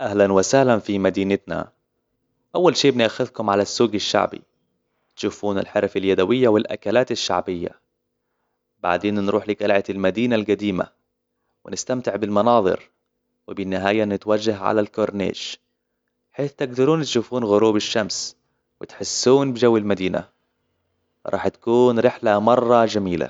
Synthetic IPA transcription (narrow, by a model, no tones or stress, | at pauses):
ʔahlanwɪsahlanfimad̪iːnɪt̪na̰ | ʔawːalʃeːbɪnʔaxʊðkʊmʕalasːuːɡɪʃːa̰ʕbḭ | t̪ʃuːfuːnɪ̰lħɑɾˤfaljad̪awɪjːawɪlʔa̰kalaːt̪ɪʃːa̰ʕbɪjːa̰ | ba̰ʕd̪eːnnɾuːħliːɡalʕat̪ɪlmad̪iːnalɡad̪iːma̰ | wɪnɪst̪amt̪ɪʕbɪlmɑnɑːðˤɨ̰ɾ | wɪbɪnːɪɦaːjanɪt̪wad͡ʒːaɦʕa̰lalkoɾnḛːd͡ʒ | ħeːθt̪ɪɡd̪ɑɾuːnt̪ʃuːfuːnɣʊɾuːbɪʃːams | wɪt̪ħɪsːuːnbɪd͡ʒawːɪlmad̪iːna̰ | ɾˤʔɑ̰ːħt̪ḁkuːnɾɪħlamɑrˤːɑd͡ʒamiːla̰